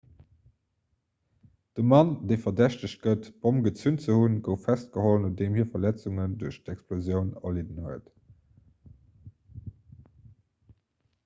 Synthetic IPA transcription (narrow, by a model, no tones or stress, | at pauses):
d̥əmɑndeɪfɐdæɕtəɕɡ̥ətb̥omɡət͡sunt͡səhunɡəʊffæst̚ɡ̥əholənodemhiːɐfɐlæt͡suŋənduɐɕtɛksplozjəʊnɐ̰lidənhuət